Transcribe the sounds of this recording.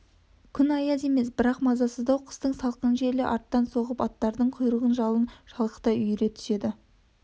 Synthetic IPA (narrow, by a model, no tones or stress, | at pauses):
kʲʰʏnɑjɑze̞me̞s̬bɪɾɑqmɑzɑsəzd̪ɑwqʰə̥st̪əɴsɑlˠqənʒe̞ɾlɪʔɑɾt̪ːɑnso̞ʁəpɑt̪ːɑɾd̪əɴqʰʊjɾəʁənʒɑlˠənʃɑlˠqə̥t̪ɑʏjɾe̞t̪ʰʏ̥se̞d̪ɪ